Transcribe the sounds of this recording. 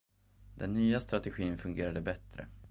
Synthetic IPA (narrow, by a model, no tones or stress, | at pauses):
d̪ɛnːyːast̪ɾat̪ɛɧiːnfɵŋɡeːɾad̪əbɛt̪ɾə̰